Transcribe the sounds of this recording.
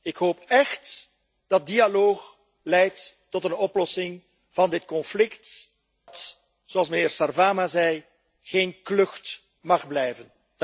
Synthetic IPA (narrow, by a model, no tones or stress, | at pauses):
ɪkɦoːpɛxt | d̥ɑt̚dialoːx | lɛjtː | ɔtənɔplɔsɪŋ | v̥ɑndɪtkɔnflɪkt | t | z̥oɑlˠs̬mənɪːrɹsarvaːmazɛj | ɣeːnklɵxt | mɑχblɛjvən